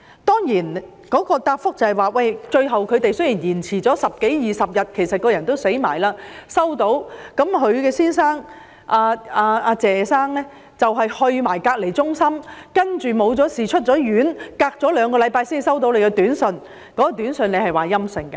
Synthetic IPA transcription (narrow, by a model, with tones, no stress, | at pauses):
t̪ɔː˥ŋjiː˨˩n | kɔː˨˥kɔː˧t̪aː˧p̚fʊ˥k̚t͡sɐ˨˩hɐ˨jwaː˨wɐ˥˧jt͡ʃɵ˧ɥɦɐ˨wkʰɵ˨˧ɥt̪e˨jsɵ˥ɥjiː˨˩njiː˨˩nt͡sʰiː˨˩t͡sɔː˨˥sɐ˨p̚ke˨˥jjiː˨˩sɐ˨p̚jɐ˨t̚kʰe˨˩jsɐ˨t̚kɔː˧jɐ˨˩nt̪o˥wse˨˥jma̰ː˨˩jlaː˧sɐ˥wt̪o˨˥wkɐ˨˥mɦɵ˨˧ɥkɛː˧siː˥nsaː˥ŋ | ʔaː˧aː˧aː˧t͡sɛː˨˩saː˥ŋlɛː˥ | t͡sɐ˨wɦɐ˨jhɵ˧ɥmaː˨˩jkaː˧k̚le˨˩jt͡sʊ˥ŋsɐ˥mkɐ˥nt͡ʃyː˨mo˨˧wt͡sɔː˨˥siː˨t͡ʃʰɵ˥t̚t͡sɔː˨˥jyː˨˥nkaː˧k̚t͡sɔː˨˥lœː˨˧ŋkɔː˧lɐ˨˧jpaː˧jsiː˥ni˨s̬ɐ˥wt̪o˨˥wle˨˧jkɛ˧t̪yː˨˥nsɵ˧n | kɔː˨˥kɔː˧t̪yː˨˥nsnle˨˧jhɐ˨jwaː˨jɐ˥msɪ˨˧ŋkɐ˧